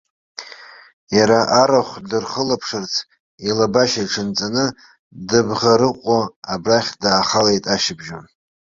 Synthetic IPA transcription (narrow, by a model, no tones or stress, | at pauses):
jaɾaʔaɾaχʷdɨrχəlapʰʂɨrt͡sʰ | ilabaʃaiʈ͡ʂʰɨnt͡sʼanɨ | dɨbʁaɾɨqʷʼoabraχʲdaːχalejtʼaʃɪbʒon